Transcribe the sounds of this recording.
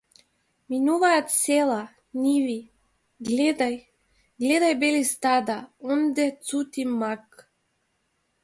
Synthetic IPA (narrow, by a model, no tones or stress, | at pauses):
minuvaat̪selˠa | nʲivi | ɡlʲed̪aj | ɡlʲed̪ajbelist̪ad̪aond̪et̪t͡s̪ut̪ʲimak